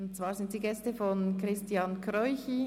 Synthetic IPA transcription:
ʊntt͡sv̥aːɾzɪnt̚d̥iːɡɛstəfɔnkʁɪstjɑnkʰʁɔʏçi

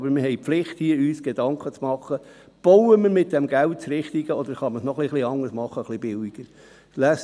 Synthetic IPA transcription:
bəɾmɪɾɦɛɪpflɪχthiəyːsɡ̥ed̥ɑŋkχət͡smɑχːə | b̥ɔwəməɾmɪt̚d̥ɛmɡæwt̚t͡sɾɪχt̪iɡ̥əɔd̪əɾχɑməsnɔχliχliɑŋːəsmɑχːəχlɪbɪwiɡ̥əɾ | læs

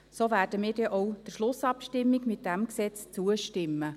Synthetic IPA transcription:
soːvæːɾd̥əmiːɾdɛʔɔwd̥əɾʃlʊsɑpʃtɪmːɪɡmɪt̚dæmksɛt͡st͡suəʃtɪmːə

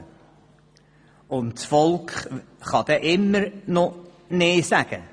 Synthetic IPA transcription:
ʊntsfɔlˠkχ | χɑd̥̪ɛːʔɪmːəɾno | neːsaɡ̥ə̰

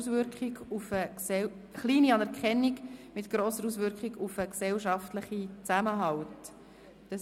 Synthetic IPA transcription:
sʋʏɾkχiɡufəksɛ | χliːniɑnɛɾkʰχɛnːiɡmɪtɡ̥ɾoːsəɾuːsʋʏɾkχiɡufəksɛwʃɑftləχit͡sæməɦɑwt | d̥ɑ

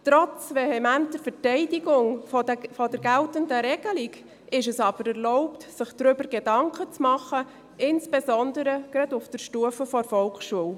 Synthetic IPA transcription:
t̪ɾɔt͡svɛhɛmænt̚dəɾfətɛɪdiɡʊŋfɔdɛɾɡæltəndəɾɛɡ̥əlik | ɪʃɛsɑb̥əɾɛrlɔʊptsɪχd̥ɾʏbəɾɡedɑŋkət͡smɑχə | ɪnsb̥ezɔnd̪əɾəɡ̥ɾɑdʊfd̥əɾʃtuəfəfɔɾfɔlkʃuəw

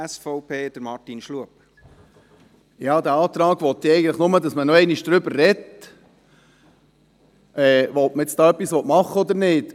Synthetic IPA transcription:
ɛsfɔʊpʰeːd̥əɾmɑrtinʃluəp | jɑːd̪æːɑːt̪ɾɑːɡʋɔt̪ːɛɪɡən̩tləχnʊməd̪ɑsmənɔɛɪniʃd̪̥ɾʏbəɾːɛt | ʔɛːʋɔltməɪt͡st̪ɑːœpːisʋɔtmɑχːəɔd̪əɾnɪːt

